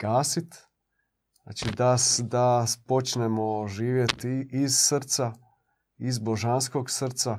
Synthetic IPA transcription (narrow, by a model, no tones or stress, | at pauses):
ɡ̥aːsit̪ | a̰t͡ʃid̪asd̪apot͡ʃnemoʒiːʋjet̪izsr̩t̪sa | izboʒanskoɡsr̩t̪sa